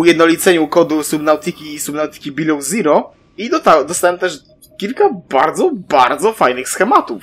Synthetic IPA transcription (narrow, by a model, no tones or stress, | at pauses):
ujɛd̪nɔlʲit̪sɛɲukɔd̪usumnawt̪ɨkʲisumnawt̪ɘ̥kʲibʲilɔwziɾɔ | id̪ɔt̪aɛd̪ɔst̪awɛmt̪ɛʂ | kʲilkabaɾd̪zɔbaɾd̪zɔfajnɘxsxɛmat̪uf